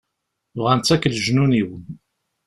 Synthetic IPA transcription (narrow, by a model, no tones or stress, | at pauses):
vʁænt͡sːækːlʒnuniwən